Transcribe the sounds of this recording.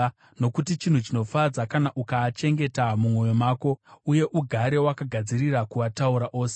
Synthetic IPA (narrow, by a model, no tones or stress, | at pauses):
no̞kutit͡ʃin̤ut͡ʃino̞fad͡zakanaʔukaːt͡ʃe̞ŋɡe̞tamumo̞jomaːko̞uje̞ʔuɡʱaɾe̞wakaɡʱad͡ziɾiɾakuʋatauɾaʔo̞ːse